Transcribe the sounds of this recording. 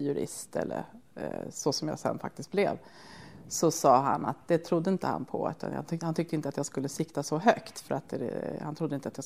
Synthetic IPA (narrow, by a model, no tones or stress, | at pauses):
jɵɾɪ̰st̪ɛ̰lːə̰ɾ | sɔsɔmja̰ːsɛ̰nːfa̰kt̪ɪst̪̚blɛ̰v | sɔsɑːɦa̰nat̪̚d̪ɛt̪ʰɾʊd̪ːəɪnt̪əha̰npʰɔʉ̟ːt̪ʰa̰nja̰hant̪ʰʏk̚t̪əɪnt̪əat̪jaːɡskɵlːəsɪkt̪asɔɦœkt̪fœɾat̪̚d̪ɛɛ̰hant̪ʰɾʊd̪ːəɪnt̪əat̪jaː